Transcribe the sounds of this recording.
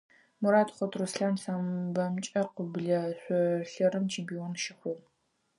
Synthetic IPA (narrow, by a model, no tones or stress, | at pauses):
muɾaːtχʷɔtʰrusɬaːnɬaːmbɐmt͡ʃʼɐqəbɮɐɕʷɔɬɐrɨmt͡ʃʰempʰioːnʃɪχʷʊ